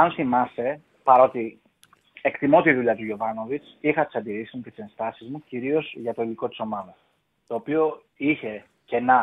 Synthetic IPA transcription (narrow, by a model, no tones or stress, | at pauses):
ɐnθimɐse̞ | pɐɾo̞t̪i | e̞kt̪imo̞t̪iðuʎɐt̪uʝo̞vɐno̞vit͡s | ixɐt̪i̥sɐnd̪iɾisizmucet̪i̥se̞nst̪ɐsizmuciɾio̞zʝɐt̪o̞iliko̞t̪i̥so̞mɐðɐ | t̪o̞ːpio̞ | içe̞ | ce̞nɐ